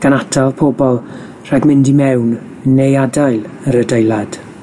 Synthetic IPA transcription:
ɡ̥anatʰalpʰobɔlˠ | r̥ɛɡmɪndimɛwn | nejadajlˠ | əɾədejlˠad̥

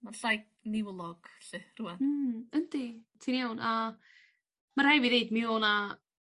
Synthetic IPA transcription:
maɬajk̚nɪwlˠɔɡ̥ɬɪruwɛnm̩ːənditʰiːnijawnʔa | marhɛviðeɨdmɪoːna

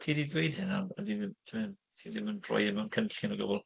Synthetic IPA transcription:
tʰiːdiðwejd̥hɪnaadɪtʰɪmhɪn | tʰiːðɪməndrɔ̰jɪmankʰənɬɪnɔɡəbʊlˠ

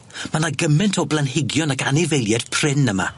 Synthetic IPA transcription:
manaɡəmɛntʰɔblˠanɦɪɡjɔnakanɪvɛlˠjɛd̥pʰr̥ɪnəma̰

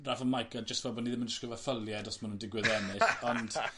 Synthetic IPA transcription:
rafənmajkʰɛd͡ʒəstvɛbɔniðɪmənd͡ʒəsɡ̥əvafəlˠjɛdɔsmanundɪɡwɨðɛnɪɔnd̥

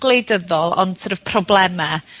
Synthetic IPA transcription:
ɡlejdəðɔlˠɔ̰ntʰərəv̥pʰrɔblˠɛma

